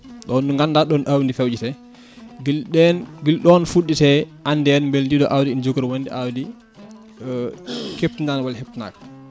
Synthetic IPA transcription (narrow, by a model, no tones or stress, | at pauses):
ɗɔnːuŋɡaldaɗɔnʔawndifewd͡ʒitɛ | ɡilɗɛnɡilɗɔnfuɗːitɛʔandɛnmbelndiɗɔ̰ʔawdiːnd͡ʒokɾwondiʔawdi | kep̚tindanwalhep̚tina̰ːka